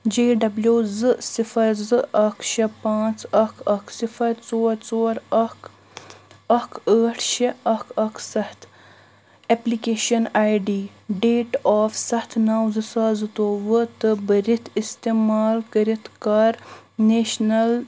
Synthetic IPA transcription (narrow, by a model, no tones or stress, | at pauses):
d͡ʒeːɖɐbljuːzɨsifɐɾzɨɐkʃɐpãːt͡sɐkʰɐksifɐɾt͡soːɾt͡soːɾɐk | ɐkəːʈʰʃeɐkʰɐksɐht̪ʰ | eplikeːʃɐnaːjɖiː | ɖeːʈaːfsɐht̪ʰnaːwzɨsaːzɨt̪oːʋət̪ɨbɐɾit̪ʰist̪eːmaːlkɐɾit̪kaɾneːʃnɐl